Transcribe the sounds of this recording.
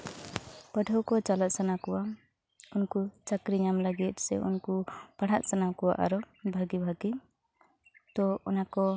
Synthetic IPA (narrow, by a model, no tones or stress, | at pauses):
pəɖʱəwkɔt͡ʃalat̪̚sanakɔwa | unkut͡ʃakɾiɲamləɡit̪̚sɛ̰ṵnkupaɽ̤aʔ̪̚sənakɔwa̰ʔa̰ɾɔ | bʱaɡibʱaɡi | t̪ɔɔnakɔ